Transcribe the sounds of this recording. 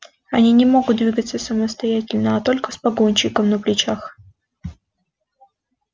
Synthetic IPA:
ɐnʲinʲɪmo̞ɡʊt̪̚d̪vʲiɡət̪sːəsəməst̪ɐjætʲɪlʲnəɐt̪o̞lʲkəspɐɡonʲɕɪkəmnəplʲɪt͡ɕax

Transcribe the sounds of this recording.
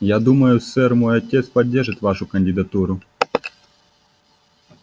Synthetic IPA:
jad̪umɐjʊsɛrmɔjɔtʲɛt̪spɐdʲːɛrʒɪt̪ʲʋaʃʊkɐnʲdʲɪd̪ɐt̪uɾʊ

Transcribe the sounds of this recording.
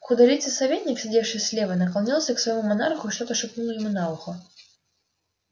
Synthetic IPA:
xʊd̪ɐlʲit̪sʲɨsɐvʲet̪ʲnʲɪksʲɪdʲefʂɨjsʲlʲevənəkɐlˠnʲilˠsʲəksvɐjmumɐnarxʊʂt̪ot̪əʂɨpnulˠəjɪmunalˠxʊ

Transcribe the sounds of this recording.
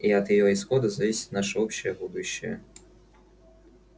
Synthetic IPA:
iɐt̪jɪjɔisxɔd̪ɐzɐvʲisʲɪ̥t̪naʂɨɔpɕːɪjəbud̪uɕːɪ̰jɛ̰

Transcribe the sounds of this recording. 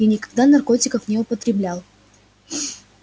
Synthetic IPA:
inʲɪkɐɡ̚d̪anɐrko̞tʲɪkəfnʲɪʊpət̪ɾʲɪblʲalˠ

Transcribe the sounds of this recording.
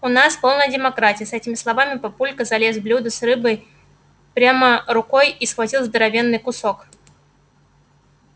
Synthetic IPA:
ʊnaspo̞lˠnəjədʲɪmɐkɾatʲɪjəsɛtʲɪmʲɪslˠɐvamʲɪpɐpulʲkəzɐlʲesblʲud̪ʊsrɨbəj | pɾʲamərʊko̞jisxvɐtʲilˠzd̪əɾɐvʲe̞nːɨjkʊsok

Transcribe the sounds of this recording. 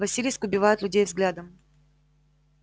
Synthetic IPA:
vɐsʲilʲijskʊbʲɪvajʊt̪lʲʉdʲejvzɡlʲad̪əm

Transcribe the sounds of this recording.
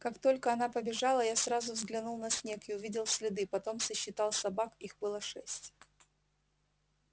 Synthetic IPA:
kakt̪o̞lʲkəɐn̪apəbʲɪʐalˠəjasɾazʊvzɡlʲɪnulˠnɐsʲnʲekɪʊvʲidʲɪlˠsʲlʲɪd̪ɨpɐt̪o̞msəɕːɪt̪ɑlˠsɐbakixbɨlˠəʂɛsʲtʲ

